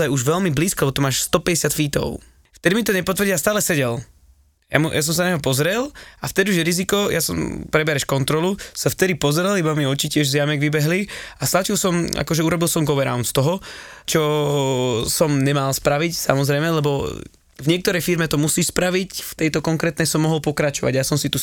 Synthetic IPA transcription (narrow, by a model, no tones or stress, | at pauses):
ajuʒʋɛlmibliːskɔlɛbɔt̪umaːʃst̪ɔpɛɟɛsɪat̪fiːt̪ɔ̰ʊ | ft̪ɛd̪imit̪ɔɲɛpɔt̪ʋəɾ̩ɟiast̪aːlɛsɛɟɛl | ja̰mujas̬ɔms̬anaɲɔpɔzɾɛlaft̪ɛd̪iuʒjɛɾizikɔjʔasɔmpɾɛbɛɾɛʃkɔnt̪ɾɔlusaft̪ɛd̪ipɔzɾɛlibamiɔt͡ʃicɪɛʒzjamɛɡʋibɛɦliast̪at͡ʃilˠsɔma̰kɔʒɛuɾɔbilˠsɔmɡɔʋɛɾa̰ʊnt̪st̪ɔɦɔt͡ʃɔ | sɔmɲɛmalspɾaʋicsa̰mɔzɾɛjmɛlɛbɔ | vɲɪɛkt̪ɔɾɛjfiɾmɛt̪ɔmusiːʃspɾaʋicft̪ɛjt̪ɔkɔŋkɾɛːt̪nɛjsɔmːɔɦɔlˠpɔkɾat͡ʃɔʋa̰ɟjasɔmsit̪u